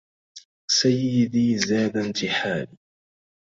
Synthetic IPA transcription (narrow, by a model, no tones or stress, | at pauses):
sajːɪd̪iːzaːd̪ant̪ɪħaːli